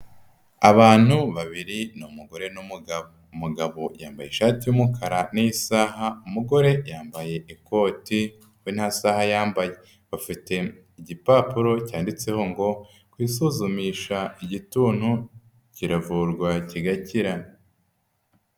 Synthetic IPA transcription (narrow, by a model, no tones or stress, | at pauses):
aβaːn̥huβaβiɾinumuɡo̞ɾe̞numuɡa | muɡaβojaːmbaje̞ʃaːtijumukʰaɾanijisaːɦaumuɡo̞ɾe̞jaːmbaje̞ʔiko̞ːti | win̥hasahajaːmbaje̞ | βafite̞ | iɟipaːpuɾo̞caːndit͡se̞ho̞ŋɡo̞ | kwiːsuzumiːʃaiɟituːn̥hu | ciɾavuɾɡwaciɡaciɾa